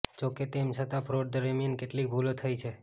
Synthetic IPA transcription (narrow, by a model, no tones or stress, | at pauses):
d͡ʒoket̪emsət̪ãpʰɾoɖ̚d̪əɾemjənkeʈlik̚bʱulot̪ʰəjt͡ʃʰe